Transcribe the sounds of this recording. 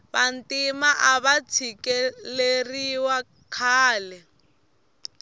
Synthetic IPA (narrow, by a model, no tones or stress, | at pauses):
βan̩timaʔaβat͡sʰikɛleriwa | kʰaːlɛ